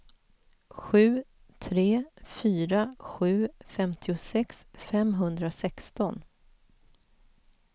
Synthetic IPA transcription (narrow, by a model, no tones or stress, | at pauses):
ɧʉ̟ː | t̪ʰɾeːfyːɾaɧʉ̟ːfɛmt̪ʰɪʊsɛksfɛmɦɵnd̪ɾasɛkst̪ɔn